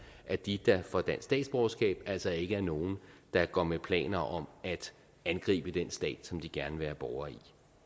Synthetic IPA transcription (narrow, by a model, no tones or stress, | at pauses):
ʔæd̥id̥ɑ̈fɒ̽d̥ænsːd̥ɛ̰ːd̥sb̥ɒʊsɡ̥ɛ̰ːb̥æl̰sɒe̝ɡ̥əæɐno̝ːn̩d̥ɑ̈ɡ̥ɒ̰mepʰlɛ̰ːnɐʔɒ̽mæd̥ | ænɡ̥ʁḭːb̥əd̥ensd̥ɛ̰ːd̥sɒ̽md̥iɡ̥æɐnəʋeːɐb̥ɒʊɐi